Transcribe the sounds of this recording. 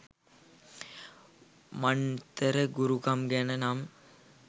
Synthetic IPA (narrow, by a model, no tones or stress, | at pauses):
mant̪əɾəɡuɾukɐmɡænənam